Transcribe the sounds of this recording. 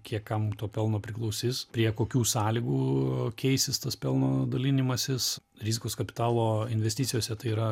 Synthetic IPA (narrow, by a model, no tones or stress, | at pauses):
kʲiɛkkɐmt̪oːpʲɛlˠnoːpʲɾʲɪklˠɐʊsʲiːspʲɾʲiɛkoːkʲuːsɑːlʲɪɡuːkʲʰɛɪsʲɪst̪ɐspʲɛlˠnoːd̪ɐlʲɪnʲɪmɐsʲɪs | ɾʲizʲɪkoːskɐpʲɪ̥t̪ɑːlˠoːɪnʲʋʲɛsʲt̪ʲit̪sʲɪjoːsʲɛt̪ɐɪiːɾɐ